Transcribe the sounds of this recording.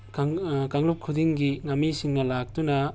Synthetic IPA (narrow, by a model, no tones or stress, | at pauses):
kaŋlup̚kʰudiŋɡiŋɐmːisiŋnɐlak̚tunɐ